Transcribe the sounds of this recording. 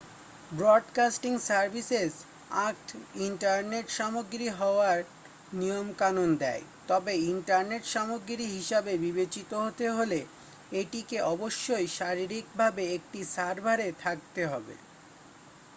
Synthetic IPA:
bɾɔɖkasʈiŋsaɾbʱises | ak̚ʈiɳʈaɾneʈʃamoɡɾiɦɔoaɾ | nijomkanond̪ɛ̰jt̪ɔbeiɳʈaɾneʈʃamoɡɾiɦiʃabebibet͡ɕit̪oɦot̪eɦole | eʈikeɔboʃːojʃaɾiɾik̚bʱabeek̚ʈisaɾbʱaɾet̪ʰak̚t̪eɦɔbḛ

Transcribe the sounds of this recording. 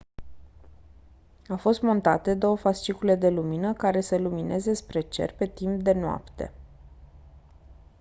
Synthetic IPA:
awfo̞st̪mo̞nt̪at̪e̞d̪o̞wəfast͡ʃikule̞d̪e̞luminəkaɾe̞səluminʔe̞ze̞spɾe̞t͡ʃe̞̰rpe̞t̪imp̚d̪e̞noa̰pt̪e̞̰

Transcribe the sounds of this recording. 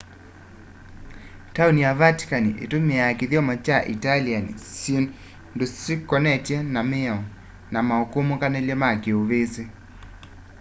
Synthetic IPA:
taunijavati̥kaniʔḛtomeakɪðjɔmat͡ʃaʔitalianisin | ndosikːɔnɛtjɛnamɪɔ | namaokumukanɛljɔmakeoβese

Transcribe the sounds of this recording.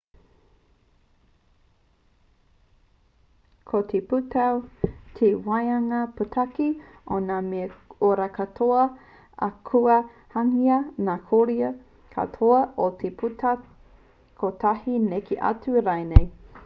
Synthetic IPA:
kʰot̪ʰeputɐwtʰewajɐŋɐpətʰaki | ʔonameoɾakɐtʰoɐ | a̰kʰuɐ | haŋiɐnakʰoɾiɐ | kʰa̰t̪ʰoɐʔotʰepʰuta | kʰot̪ʰahinekeʔɐ̰tuɾajnej

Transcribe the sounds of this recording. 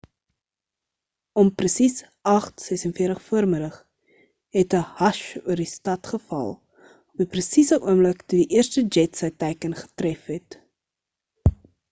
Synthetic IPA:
ɔmprəsis | ɐχtsɛsənfiətəχfuərmədəχ | ɦɛtəhɐʃuərdistɐtχəfɐ̰lˠ | ɔpiprəsisəʔuəmləktudiʔiərstəd͡ʒɛtsəjtɛjkənχə̥trɛfɦɛt

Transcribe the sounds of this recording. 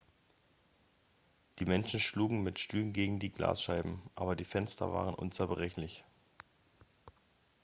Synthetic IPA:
d̥iːmɛnʃn̩ʃluːɡŋ̩mɪtʃtyːənɡeːɡŋ̩diːɡla̰ːsʃaɪbm̩ʔaːbɐdiːfɛnstɐ̰va̰ːʁ̞ənʔʊ̰nt͡sɛɐbʁɛçlɪç

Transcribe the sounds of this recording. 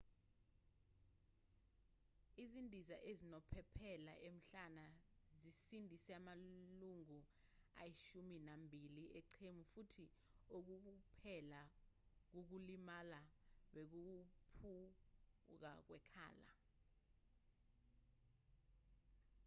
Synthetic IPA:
izindʱizaʔezinɔpʰɛpʰɛla̰ʔem̩ɬanazisindʱisɛamaluŋu | a̰jiʃuminambʱilieǀʰemufutʰi | ok̬uk̬upʰɛlak̬uk̬ulimalaɓek̬upʰu | k̬a̰k̬wɛkʰa̰ːla̰

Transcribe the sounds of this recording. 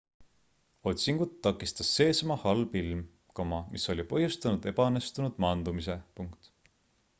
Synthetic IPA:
o̞t̪ʲsiŋɡ̥ut̪ːɑkːˑist̪ɑsːe̞ːsmɑhɑlb̥ilm | kɑmɑmʔiso̞lʲipɤhjust̪ɑnud̪̥e̞bɑnest̪unud̪̥mɑnd̪̥umise̞puŋkt̪

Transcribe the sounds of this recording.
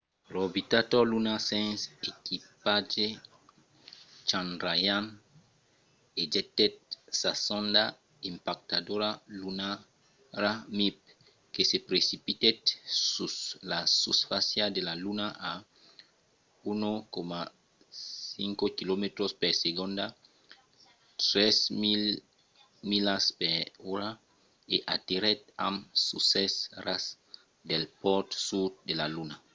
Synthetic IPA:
ɾobit̪at̪olunasẽnsekipad͡ʒe | t͡ʃãnɾajan | ed͡ʒet̪et̪̚sasõnd̪a | impak̚t̪ad̪oɾaluna | ɾamip̚ | kesepɾesipit̪et̪suslasusfasjad̪elalunaʔa | unokoma | siŋkokilomet̪ɾospeɾseɡõnd̪a | t̪ɾesmil | milaspeɾuɾa | eʔat̪iɾet̪̚a̰msusesɾas | d̪elpɔɾt̪sudd̪elaluna

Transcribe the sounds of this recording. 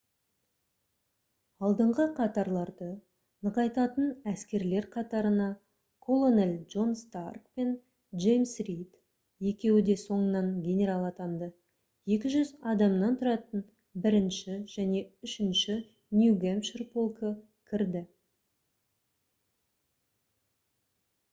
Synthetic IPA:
ɑlˠd̪əɴʁəqʰɑt̪ɑɾlˠɑɾd̪ə | nəqɑjt̪ɑt̪ənæskʲe̞ɾle̞ɾqʰɑt̪ɑɾənɑ | kʰo̞lˠo̞nelʲʒo̞nst̪arkpe̞n | ʒejmsrit̪ | je̞kʲe̞wɪd̪e̞so̞ɴənɑɴɡʲe̞nʲe̞ɾalˠɑt̪ɑnd̪ə | je̞kʲɪʒʏzɑd̪ɑmnɑnt̪ʰʊɾɑt̪ən | bɪɾɪnʃɪʒ̥æne̞ʏʃɪnʃɪ | nʲjuɡemʃrpo̞lˠkə | kʲʰɪɾd̪ɪ

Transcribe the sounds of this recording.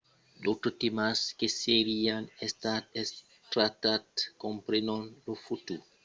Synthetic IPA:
dotutimaskeseɾianest̪ates | tɾatatkompɾenonlofut̪u

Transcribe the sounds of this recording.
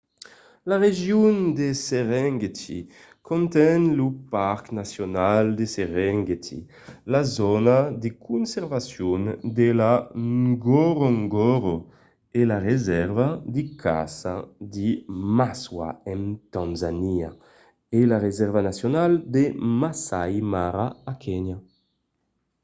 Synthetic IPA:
laʁeʒjund̪eseʁɛŋɡet̪ḭ | kʰɔnt̪ɛnlupaɾknasjonald̪eseʁɛŋɡet̪ʰḭ | lazɔnad̪ekʰunsɛɾvasjund̪elaɡɔɾɔŋɡɔɾo | elaʁezɛɾvad̪ikʰa̰sad̪imaswa̰ɛnt̪ãnzania̰ | elaʁezɛɾvanasjonald̪emasajmaɾaːkʰɛɲa

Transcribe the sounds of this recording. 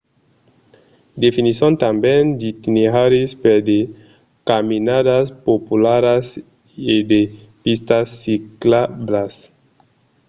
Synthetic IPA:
d̪efinisiont̪ambend͡ʒit̪ineɦaɾispeɾde | kaminadaspopulaɾas | ede | pistasːiklablas

